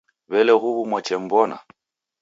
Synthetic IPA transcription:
βɛlɛɣuβumwat͡ʃɛm̩bɔna̰

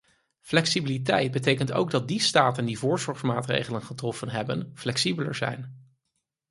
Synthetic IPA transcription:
flɛksibilitɛjt̚bətejkənto̰wɡ̚dɑt̚distaːtəndivʊːɹzɔɹχmaːtrḛjχələnχətrɔfənɦɛbənflɛksibələ̰ɹzɛ̰jn

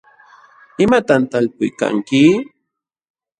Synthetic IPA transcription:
ɪmat̪ant̪alpʊjka̰ŋkɪ

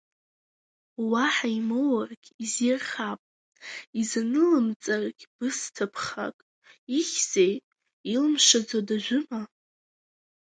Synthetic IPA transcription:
waħaimowarɡʲizirχapʼ | iznɨlɨmt͡sʼarɡʲb̥ɨstʰapʰχa̰kʼ | iχʲz̥ejtʼ | ilmʂad͡zadaʒʷʊma

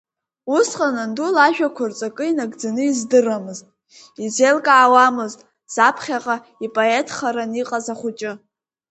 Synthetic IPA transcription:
usqʼanandulaʒᶣakʷʰʊrt͡sʷʼakʼɨinaɡʼd͡zanɨizdɨramɨztʼ | izelkʼaːwamɨztʼ | z̥apʰχʲaqʼa | ipʼoe̞tʰχaɾaniqʼazaχʷʊt͡ʃʼɪ

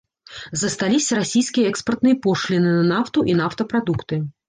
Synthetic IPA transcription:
zɐst̪alʲisʲɐɾasʲijskʲijɐɛkspɐrt̪nɨjɐpɔʂlʲinɨnɐnawt̪uʔinaft̪ɐpɾad̪ukt̪ɨ

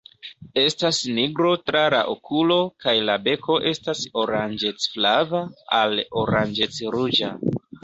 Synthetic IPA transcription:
e̞stasniɡɾo̞tɾala̰ʔokʰulo̞kajlabe̞kʰo̞ʔe̞staso̞ɾand͡ʒet͡sflavaalo̞ɾand͡ʒet͡sɾud͡ʒa

